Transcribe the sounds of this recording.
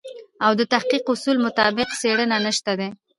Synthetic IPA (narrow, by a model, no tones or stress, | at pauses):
awd̪ət̪ahqiqʊsulmʊt̪ɑbɪqseɽənanəʃt̪ad̪e